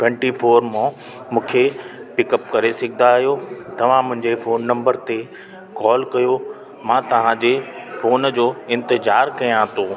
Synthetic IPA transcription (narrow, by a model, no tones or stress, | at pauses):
ʈwɛ̃ɳʈifoːɾmõ | mũːkʰepɪkəpkɐɾesɐɡʱɪ̃nd̪aːɦjot̪ɐʋ̤ãmʊ̃ɦɪ̃ɲd͡ʑefoːnːɐ̃mbəɾt̪e | kɔːlkɐjo | mãːt̪ɐʋ̤ãd͡ʑefoːnd͡ʑoːɪ̃nt̪ɪzaːɾkɐjãːt̪oː